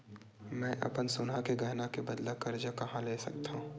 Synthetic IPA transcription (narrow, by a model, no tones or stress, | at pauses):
mɛ̃ːʔɐ̰pənsʊnakeɡɛɦnakebɐd̪lakɐɾd͡ʒakɐɦãleːsɐ̰k̚t̪a